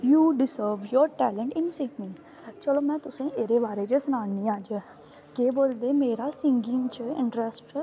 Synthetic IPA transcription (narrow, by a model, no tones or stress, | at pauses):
juːɖɪsəɾʋjɔːɾʈɛːlə̃ɳʈɪnsɪ̃knĩ | t͡ʃəloːmɛ̃ːt̪ʊsẽʔeːɾeʋaːɾed͡ʒəsʊnaːnnĩːaːd͡ʒe | keːboːld̪eːmeːɾasɪ̃ŋɡɪ̃ŋɡt͡ʃəɪ̰̃ɳʈɾəsʈ